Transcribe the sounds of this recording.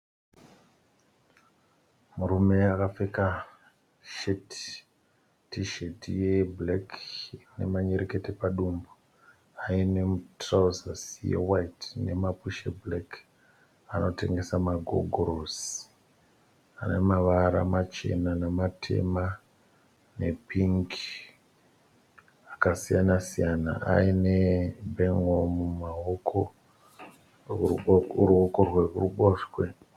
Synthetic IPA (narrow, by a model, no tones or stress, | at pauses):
muɾume̞akafeka | ʃet | tiʃetijeblekne̞̰maɲeɾeke̞tepaɗumbu | aine̞mutrazasijḛwaitne̞̰mapuʃḛblek | ano̞te̞ŋɡe̞samaɡʱo̞̰ɡʱoɾosi̥ | a̰ne̞maʋaɾa̰mat͡ʃe̞̰nanematʰe̞̰ma | nepʰiŋki | akasijanasijana̰a̰inebʱeŋomumaokʰo | rokorwe̞kuruɓoʃwe